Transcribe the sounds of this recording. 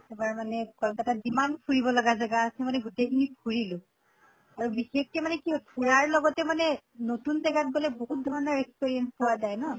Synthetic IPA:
ɛbaɹmanɛkɔlkatadimanpʰuɹibɔlɔɡazaɡaːsɛmanɛɡutejkʰinipʰuɹilʊ̃ | aɹubixek̚tɛmanɛkiɦɔpʰuɹaɹlɔɡɔtɛmanɛ | notunzɛɡat̚ɡɔlɛboɦut̚dʱɔɹɔnɔɹɛkspiɹijɛnspowazajnɔ

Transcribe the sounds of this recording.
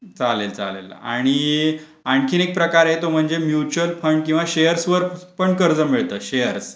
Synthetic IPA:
t͡salelt͡sa̰lḛla̰ɽ̃i | aɳkʰiːnek̚pɾəkaɾɦet̪om̤əɳd͡zemjut͡ɕuəlfəɳɖkĩw̃ʋaɕejəɾsʋəɾpəɳɖkəɾd͡zəmeɭt̪əːɕejəɾs

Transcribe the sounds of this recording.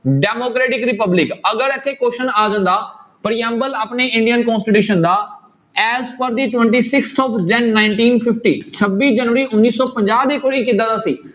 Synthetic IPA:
ɖeːmoːkɾeːʈɪkɾɪpəblɪkɐɡəɾet̪ʰːekoːʃənaːzə̃nd̪aːpɐɾiə̃mbələpneɪ̃ɳɖijənkɔ̃ːnsʈiʈjuːʃənd̪aː | ɛːzpəɾd̪iːʈʋɛ̃ɳʈiːsɪkst̪ʰɔːfd͡ʒɛ̃nːãːɪɳʈiːnfʰɪfʈḭːt͡ʃʰɐbiːd͡ʒɐnʋəɾiʊnːiːsɔːpɐ̃ɲd͡ʒaːɦd̪eːkoːɾiːkɪ̃nd̪ə̃nd̪aːsiː

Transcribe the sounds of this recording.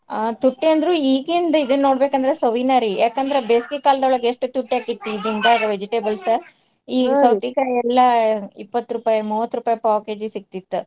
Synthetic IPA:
t̪uʈːiɐnd̪ɐɾuːiːɡind̪ɐid̪ɐnːoːɽbekɐnd̪ɐɾesɐʋinaːɾijaːkɐnd̪ɐɾebeːskikaːlɐd̪ɐʋɭɐɡeeʂʈut̪uʈːiaːkit̪ːid͡ʒiŋɡaɾɐʋed͡ʒiʈeːbɐlsɐ | iːsɐwt̪ikajɛlːɐipːɐt̪ːɾupaːjɐmuːʋɐt̪ːɾupaːjɐpaːke̞ːd͡ʒisik̚t̪it̪ːu

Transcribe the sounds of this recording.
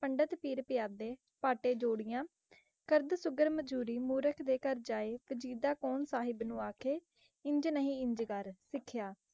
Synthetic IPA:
pəɳɖət̪piːɾpɪjaːd̪eː | paːʈeːd͡ʒoːɽɪjãː | kəɾd̪sʊɡəɾməd͡ʒuːɾiːmuːɾəkʰd̪eːkəɾd͡ʒaːeːpʰəd͡ʒiːd̪aːkoːɳsaːɦɪbnũːaːkʰeː | ɪ̃ɲd͡ʒnəɦĩːɪɲd͡ʒkəɾsɪkʰːjaː

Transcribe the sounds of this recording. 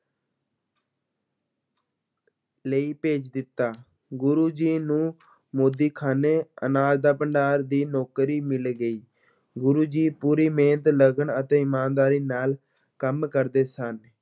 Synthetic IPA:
ləiːpeːt͡ʃd̪ɪt̪ːaː | ɡʊɾuːd͡ʒiːnũː | moːd̪iːkʰaːneːə̰naːd͡ʒd̪aːpəɳɖaːɾd̪iːnɔːkɾiːmɪlɡəiː | ɡʊɾuːd͡ʒiːpuːɾiːmẽːnət̪ləɡəɳət̪ẽːɪmaːnd̪aːɾiːnaːl | kəmkəɾd̪eːsən

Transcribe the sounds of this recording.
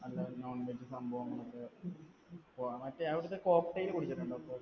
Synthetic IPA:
ɐlːɐnoːɳʋed͡ʑɨsɐmbʱɐʋɐŋːɐɭɐkːe | pomɐtːeɐʋiɽɐt̪ːeko̞ːkʈɐjilkuɽit͡ɕːɐʈːuɳɖɐɐpːoː

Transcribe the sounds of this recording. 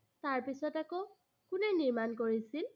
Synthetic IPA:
taɹpisɔtako | kʊnɛniɹmankoɹisil

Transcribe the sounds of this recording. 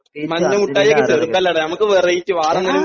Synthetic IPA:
mɐɲːɐmuʈːaːjijokːeterupːɐlːɐɽenɐmukːɨʋerɐjitːɨʋaːrɐnːɐnu

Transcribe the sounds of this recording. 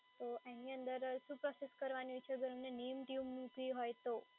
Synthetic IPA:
t̪oʔɛniənd̪əɾsũpɾɔseskəɾʋaniʋt͡ʃʰeɡəɾəmnenejəmʈiumːũkʋiɦojt̪o

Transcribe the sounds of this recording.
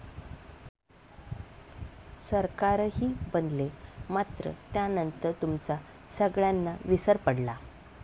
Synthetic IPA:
səɾkaɾɦiːbənd̪lemat̪ɾə̰t̪janənt̪əɾt̪umt͡sa | səɡɭjanːaʋisəɾpəɽla

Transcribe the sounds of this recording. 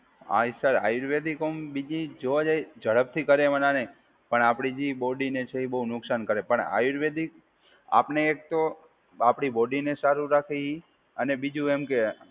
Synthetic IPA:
a̰isəɾa̰iɾʋed̪ikombid͡ʒid͡ʒoʋad͡ʒajd͡ʒəɭəp̚t̪ʰikəɾemənane | pəɳapɽ̃id͡ʒibɔɖinet͡ʃʰeibəɦunʊksankəɾepəɳa̰jiɾʋed̪ik | a̰pneːk̚t̪o | apɽ̃iboɖinesaɾuɾakʰei | ənebid͡ʒũemke

